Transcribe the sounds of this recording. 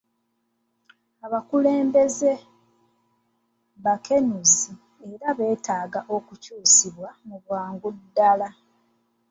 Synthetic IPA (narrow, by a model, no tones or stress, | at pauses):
aβakule̞ːmbe̞ze̞ | βakʰe̞nuzi | eɾaβe̞ːtaːɡaʔo̞kucuːsiβwamuβwaːŋɡudːala